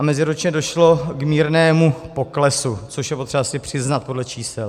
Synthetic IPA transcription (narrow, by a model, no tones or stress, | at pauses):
amɛzɪɾut͡ʃɲɛdo̞ʃlo̞kmiːɾnɛːmupo̞klɛsut͡soʃjɛpot̪r̥ɛbasɪpr̝̥ɪznat̪̚po̞dlɛt͡ʃiːsɛl